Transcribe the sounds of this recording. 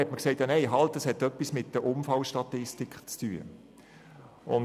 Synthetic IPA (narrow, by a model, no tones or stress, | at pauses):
ɛtməkseɪtjanɛɪɦɑltəshɛtːœpːismɪt̚dəʔʊmfɑlʃtɑt̪ɪstikχt͡styə̰ | ʊn